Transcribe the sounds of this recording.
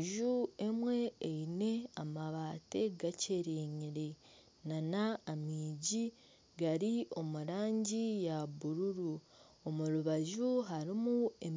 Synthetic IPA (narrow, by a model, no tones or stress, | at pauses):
ʒuemwe̞ːine̞amaβaːte̞ɡace̞ɾeɲiɾe̞ | nanaːmiːɟi | ɡaɾio̞muɾaːɲɟijaβuɾuɾu | omuɾuβaʒuɦaɾimuem